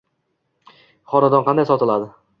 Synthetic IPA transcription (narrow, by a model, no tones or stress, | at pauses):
χɒnad̪ɒnqɑnd̪ajsɒt̪ɪlad̪ɪ